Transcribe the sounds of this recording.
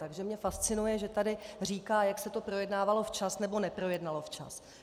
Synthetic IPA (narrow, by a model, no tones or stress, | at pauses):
t̪aɡʒɛmɲɛfast͡sɪnujɛʒɛt̪adɪr̝iːkaːjaksɛt̪o̞pɾo̞jɛdnaːvalo̞ft͡ʃasnɛbo̞nɛpɾo̞jɛdnalo̞ft͡ʃa̰s